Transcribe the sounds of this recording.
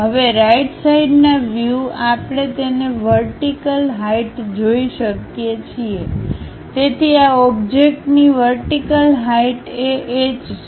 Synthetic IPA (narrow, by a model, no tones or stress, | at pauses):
ɦəʋeɾajʈsaiɖnaʋjuapɽ̃et̪eneʋəɾʈikəlɦaiʈd͡ʒoiʃəkjet͡ʃʰie | t̪et̪ʰiaɔbd͡ʒek̚ʈniʋəɾʈikəlɦaiʈeʔed͡ʒ